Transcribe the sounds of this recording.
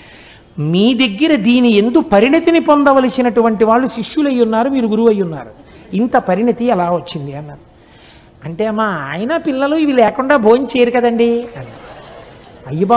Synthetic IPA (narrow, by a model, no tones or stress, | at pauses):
miːd̪eɡːiɾɐd̪iːnie̞nd̪upɐɾinit̪inipond̪ɐʋɐlisinɐʈuʋɐɳʈiʋaːɭːuʃiʂjulɐjːunːaːɾumiːɾuɡuɾuʋɐjːunːa̰ːɾu | int̪ɐpɐɾinit̪iɛlaːʋot͡ʃːind̪iɐnːɐ | ɐɳʈe̞ːmaːaːjɐnɐpilːɐluːiʋilɛːkuɳɖaːbʱoːɲt͡ʃeːjɐɾikɐd̪ɐɳɖiɐn | ɐjːɐba